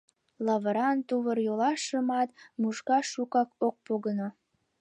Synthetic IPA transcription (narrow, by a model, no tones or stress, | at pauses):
lɑβəɾɑnt̪uβərjolɑʃəmɑt̪muʃkɑʃukɑkok̚poɣəno